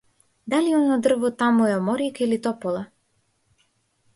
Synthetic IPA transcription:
d̪aliɔnɔd̪r̩vɔt̪amuɛɔmɔɾikilit̪ɔpɔlˠa

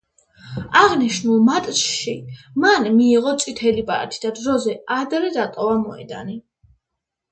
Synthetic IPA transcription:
aʁniʃnulˠmat̪ʼsʃimanmiːʁɔt̪sʼit̪ʰɛlipʼa̰ɾat̪ʰi̥d̪ad̪ɾɔzɛad̪ɾɛd̪at̪ʼɔvamɔɛ̰d̪a̰ni

